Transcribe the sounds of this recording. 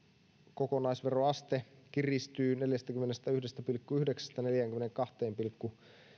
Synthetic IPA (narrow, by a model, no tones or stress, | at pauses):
kokonɑisʋeroɑst̪ek̟irist̪yːne̞ljæst̪ækymːenest̪æyhdest̪æpilkːuyhdeksæ̥st̪æne̞ljæŋk̟ymːeneŋkɑht̪eːmpilkːu